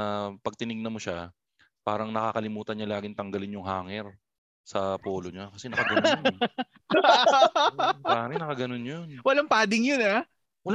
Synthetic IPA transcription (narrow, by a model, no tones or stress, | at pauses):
pɐɡ̚t̪ɪnɪɡ̚nɐmo̞ʃa | paːɾɐŋnɐkakɐlɪmuːt̪ɐnɲɐlaːɡɪŋt̪ɐŋɡɐlɪnjʊŋɦaːŋɛɾ | sɐpoːloɲakɐsɛnɐkɐɡɐn | aːmɛnɐkɐɡɐnonjonwɐlaŋpaːd̪ɪŋjona | wɐl